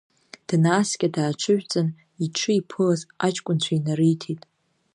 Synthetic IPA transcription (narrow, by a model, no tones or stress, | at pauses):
d̥naːskʲʼadaːʈ͡ʂʰɨʕʷᶣt͡sʼan | iʈ͡ʂʰɨipʰɨlazat͡ʃʼkʷʼʊnt͡ɕʷʰainaɾɨjtʰitʼ